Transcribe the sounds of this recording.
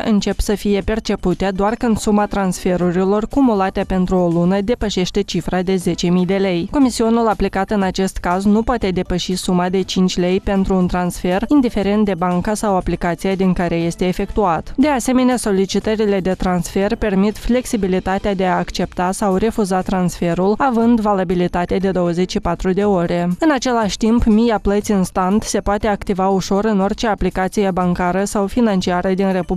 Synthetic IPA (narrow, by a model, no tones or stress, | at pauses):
ʔɨnt͡ʃe̞psəfije̞pe̞rt͡ʃe̞put̪ad̪oarkɨnd̪̥sumat̪ɾansfe̞ɾuɾilo̞rkumulat̪eeape̞nt̪ɾuo̞lunəd̪e̞pəʃe̞ʃt̪e̞t͡ʃifɾad̪e̞ze̞t͡ʃe̞mijd̪e̞le̞jko̞misionulaplikat̪ɨnat͡ʃe̞st̪kaznupoat̪e̞d̪e̞pəʃisumad̪e̞t͡ʃint͡ʃʲle̞jpe̞nt̪ɾuːnt̪ɾansfe̞rind̪ife̞ɾe̞nt̪̚d̪e̞baŋkasawaplikat̪sijad̪iŋkaɾe̞je̞st̪e̞ːfe̞kt̪uat̪d̪e̞ase̞me̞neaso̞lit͡ʃit̪əɾile̞d̪e̞t̪ɾansfe̞rpe̞rmit̪fle̞ksibilit̪at̪ead̪e̞aːkt͡ʃe̞pt̪asawre̞fuzat̪ɾansfe̞ɾulavɨnd̪valabilit̪at̪ead̪e̞d̪o̞wəze̞t͡ʃʃipat̪ɾud̪e̞o̞ɾʔe̞ɨnat͡ʃe̞laʃʲt̪impmijaplət̪siɨnst̪ant̪se̞poat̪e̞akt̪ivauʃo̞ɾɨno̞rt͡ʃe̞aplikat̪sije̞baŋkaɾəsawfinant͡ʃiaɾəd̪inre̞pub